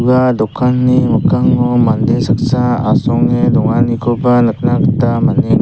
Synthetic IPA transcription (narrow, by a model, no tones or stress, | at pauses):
bad̪ɔkʰanːimɔkaŋːɔmand̪insaksaa̰sɔŋed̪ɔŋanikʰɔbanat̪nakat̪amani